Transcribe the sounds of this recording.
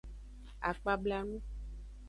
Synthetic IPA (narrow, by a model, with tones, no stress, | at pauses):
a̰˨k͡pa˦bla˦nũ˦